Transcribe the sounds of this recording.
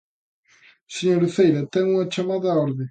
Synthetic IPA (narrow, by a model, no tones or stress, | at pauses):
seɲoɾuθejɾɐt̪ɛŋumɐt͡ʃɐmaðɐɔɾðɪ